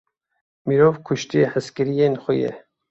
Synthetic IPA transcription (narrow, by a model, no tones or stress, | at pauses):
miɾovkʰuʃt̪iehəskɪɾijenxojɛ̰